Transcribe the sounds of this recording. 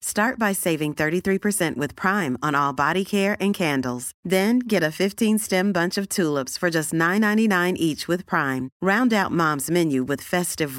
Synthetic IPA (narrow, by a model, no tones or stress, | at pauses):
stɑɹt̚b̥aɪseɪvɪ̃ŋθɜ˞ɾiθɹipʰə˞sɛ̃nʔwɨð̥pʰɹ̥ãɪ̃mə̃nɔlˠbɑɾikʰɛɹʔɨ̃nkʰæ̃ndl̩ˠz̥ðɨ̃nɡɛɾɨfɪftʰĩnstɛ̃mbʌ̃nt͡ʃʌv̥tʰulˠəpsfə˞d͡ʒʌstnãɪ̃nːãɪ̃ninãɪ̃nʔit͡ʃwɨð̥pʰɹ̥ãɪ̃mɹãʊ̃ndaʊt̚mɑ̃mzmɛ̃njʉwɨð̥fɛstɨv